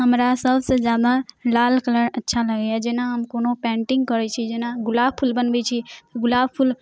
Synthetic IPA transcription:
ɦəmɾasəbsed͡ʒjad̪alalkələɾətːʃʰaləɡjad͡ʒenaɦəmkonopɛ̃ɳʈiŋɡkəɾɛt͡ʃʰid͡ʒenaɡulab̚pʰulbənbɛt͡ʃʰit̪əɡulabpʰul

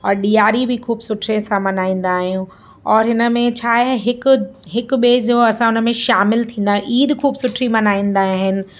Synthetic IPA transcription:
ɔːɾɗijaːɾibʱɪkʰuːbsʊʈʰɾẽsãmɐnaːĩːn̆d̪aːɦijũ | ɔːɾɦɪnə̆mẽt͡ɕʰaːẽɦɪkɦɪkɓeːzoɐsãʊnə̆mẽʃaːmɪlt̪ʰĩːn̆d̪aːɦʔiːd̪kʰuːbsʊʈʰɾimɐnaːĩːn̆d̪aːɦãɦɪnɪ̆

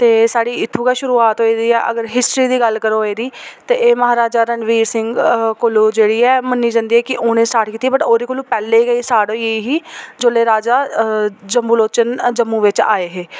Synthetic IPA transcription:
t̪eːsaːɽiːɪt̪ʰːũːkaːʃʊɾuːaːt̪ɦoːiːd̪iːɛːʔəɡəɾɦɪsʈɾiːd̪iːɡəlkəɾoːɦeːd̪iːt̪eːʔeːməɦaːɾaːd͡ʒaːɾənʋiːɾsɪŋɡkʊloːd͡ʒeːɽiːɛːmənːiːd͡ʒãːnd̪iːɛːkɪʔoːñẽːsʈaːɾʈʰkiːt̪ibəʈoːɾiːkoluːpɛːleːɡəiːsaːɽõːeiɦiːd͡ʒoːleːɾaːd͡ʒaːd͡ʒəmuːloːt͡ʃənd͡ʒəmːũːʋɪt͡ʃa̰ːeːɦeː

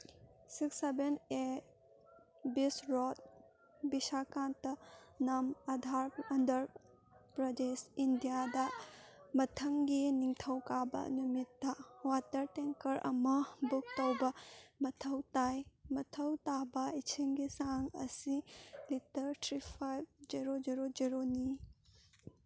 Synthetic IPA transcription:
siksebene | bisɾɔt̚ | bisakantːɐnamɐdʱaɾɐndɐɾ | pɾɐdesindijadɐmɐtʰɐŋɡiniŋtʰɐwkabɐ̰numitːawat̪ɐɾʈeŋkɐɾʔɐ̰mɐbuk̚t̪ɐwbɐmɐt̪ʰɐwt̪ajmɐt̪ʰɐwt̪abɐit͡ʃʰiŋɡisaŋɐ̰silitɐɾtʰɾipʰajb̚d͡ʒiɾod͡ʒiɾod͡ʒiɾoni

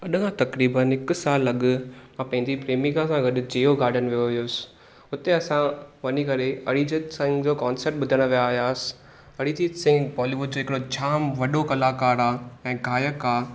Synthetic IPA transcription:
ɐɗɡãt̪ɐkɾiːbənɦɪk̆saːlːɐɠʊ̆mãpɐ̃ɦɪ̃ɲd͡ʑipɾeːmĩkʰãsãɡɐɗʊ̆d͡ʑeːoɡaːɾɖʱənʋijoɦijoːsɪ̥ | ʊt̪eɐsãʋɐnikɐɾeɐɽid͡ʑitsɪ̃ŋɡd͡ʑoːkaːnsəɾʈ̚ɓʊd̪ʱəɽ̃əʋijaːɦijaːsɪ̥ | ɐɽid͡ʑiːtsɪ̃ŋɡbɔːliːʋʊɖ̚d͡ʑoːɦɪkɪɽot͡ɕʰaːmʋɐɗokɐlaːkaːɾaːɛ̃ːɡʱaːjəkːaː

